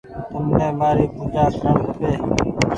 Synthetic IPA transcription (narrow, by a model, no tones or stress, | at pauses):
t̪ʊmnẽːmaːɾiːpʊd͡ʒaːsəːmpeː